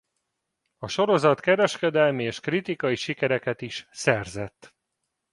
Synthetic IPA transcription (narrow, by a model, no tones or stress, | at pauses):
ɒʃo̞ɾo̞zɒt̪kɛɾɛʃkɛd̪ɛlmieːʃkrit̪ikɒjiʃikɛɾɛkɛt̪iʃsɛrzɛt̪ː